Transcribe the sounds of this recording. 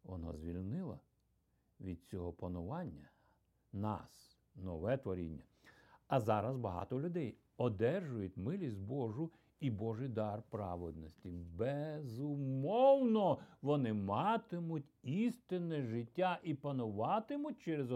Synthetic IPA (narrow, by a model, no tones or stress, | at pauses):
ʋɔna̰zʲʋʲilʲnɪlˠɐ̰ | ʋʲid̪̚t͡sʲɔɦɔpɐnʊʋɑnʲːɐ | nɑ̰s | nɔʋɛt̪ʋɔɾʲḭnʲːɐ | ɐzɑɾɐzbɐɦɑ̰t̪ɔlʲʊd̪ɛj | ɔd̪ɛrʒʊjʊt̚ʲmɪlʲisʲt̪̚ʲbɔʒʊ | ibɔʒɨjd̪ɑrpɾɑ̰ʋed̪̚nɔsʲtʲibezʊmɔwnɔʋɔnɪmɑt̪ɪmʊtʲist̪ɪnɛʒɪtʲːaʔipɐnʊʋɑt̪ɪmʊt̚ʲt͡ʃɛɾez